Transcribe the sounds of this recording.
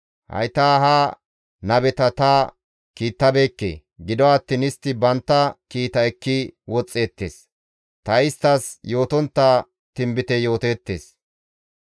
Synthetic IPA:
hɐ̰jt̪aːɦaː | nɐbɛt̪ɐt̪aː | kiːt̪ːɐbe̞ːkːḛː | ɡɪd̪ɔɐt̪ːiːnɪst̪ːɪbɐnt̪ːɐkiːt̪ɐɛkːɪwɔt͡sʼːe̞ːt̪ːeːs | t̪ɐɪst̪ːɐsjo̞ːt̪ɔnt̪ːa | t̪ɪmbɪt̪ɛjo̞ːt̪eːt̪ːḛːs

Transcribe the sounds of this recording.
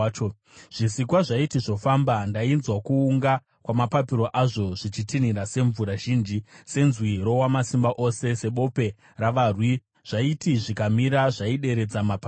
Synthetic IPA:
ʐ̥isikwaʐaitiʐo̞fambandainzwakuːŋɡa | kwamapapiɾo̞ʔaʐo̞ʐ̥it͡ʃitinirase̞ɱvuɾaʒiːnd͡ʒise̞nzwiro̞wamasimbaʔo̞se̞se̞ɓo̞pe̞ | raʋarwi | ʐ̥aitiʐikamiɾaʐaiɗe̞ɾe̞d͡zamapa

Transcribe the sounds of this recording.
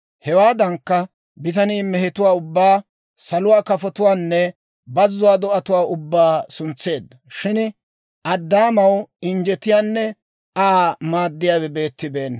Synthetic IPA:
hɛwaːd̪ɐŋkːɐ | bɪt̪ɐniːmɛɦɛt̪ʊwaːʊbːaː | sɐlʊwaːkɐfɔt̪ʊwaːnːɛ | bɐzːʊwaːd̪ɔʔɐt̪ʊwaːʊbːaːsʊnt͡sːe̞ːd̪ːɐʃɪn | ʔɐd̪ːaːmɐwɪnd͡ʒɛt̪ɪjaːnːɛ | aːmaːd̪ːɪjaːwɛbe̞ːt̪ːɪbe̞ːnː

